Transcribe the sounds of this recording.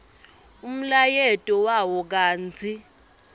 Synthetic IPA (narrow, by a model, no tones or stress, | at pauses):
um̩lajɛtʼɔwawɔk̬aːnd͡zʰʱʼi